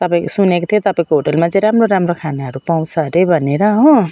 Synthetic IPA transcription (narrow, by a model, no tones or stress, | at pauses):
t̪ʌpaĩkosunekot̪ʰjot̪ʌpaĩkoɦoʈʌlmat͡sʌĩɾamroɾamrokʰaneɦʌɾupaw̃t͡sʰʌɾebʱʌneɾʌɦõ